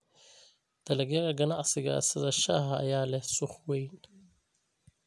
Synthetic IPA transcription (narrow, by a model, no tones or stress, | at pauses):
d̪̥ɐlɐɣjɐɣɐɡɐnɑʕsɪɣɐ̰sɪðɐʃɐ̰ɦɐ̰ːjaːlɛhsʊχwɛjn